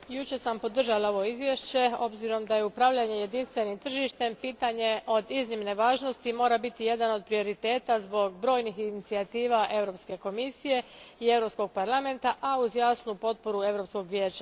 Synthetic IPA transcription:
jut͡ʃe̞sampo̞d̪r̩ʒalao̞ʋo̞izʋje̞ʃt͡ɕe̞o̞bziɾo̞md̪aje̞upɾaʋʎaɲe̞je̞d̪inst̪ʋe̞nimt̪r̩ʒiʃt̪e̞mpiːt̪aɲe̞ʔo̞d̪iznimne̞ʋaːʒno̞st̪imo̞ːɾabit̪ije̞d̪ano̞d̪̚pɾio̞ɾit̪e̞ːt̪azbo̞ɡbɾo̞jnixinit̪siat̪iːʋaʔe̞vɾo̞pske̞ko̞misije̞ie̞vɾo̞psko̞ɡ̚paɾlˠame̞nt̪aʔauzjaːsnupo̞t̪̚po̞ɾue̞ʋɾo̞psko̞ɡʋʲjeːt͡ɕa

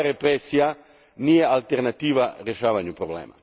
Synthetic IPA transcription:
ɾepɾesija | nijealt̪eɾnat̪iːʋaɾjeʃaːʋaɲupɾoblḛːma̰

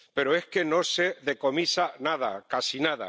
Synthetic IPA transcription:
pe̞ɾoe̞hke̞no̞se̞ðe̞ko̞misanað̞a̰kasinaða̰

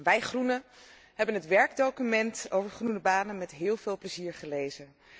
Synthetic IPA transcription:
ʋɛjχrunə | ɦɛbənɦətʋɛɹɡdowkymɛnto̰wvəɹχrunəbaːnənmɛtɦɪːlˠvɪːlˠpləziːɹχəlejzə

